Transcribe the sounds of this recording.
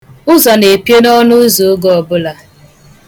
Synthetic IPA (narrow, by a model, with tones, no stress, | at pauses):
ʊ˦zɔ˨ne˨pe˦nɔ˦nʊ˦zo˨˦ɡɔ˨ɔ˨bʊ˦la˨